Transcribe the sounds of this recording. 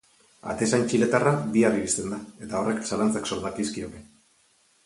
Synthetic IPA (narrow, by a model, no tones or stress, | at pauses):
a̰t̪e̞sant͡ʃile̞t̪arabiariβist̪e̞nd̪ae̞t̪ao̞re̞ksalant͡sakso̞ɾðakiskio̞ke̞